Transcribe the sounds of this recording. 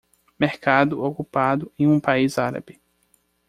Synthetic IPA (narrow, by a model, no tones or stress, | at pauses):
meɾkad̪ʊokupad̪ʊẽj̃ũpaizaɾa̰bɪ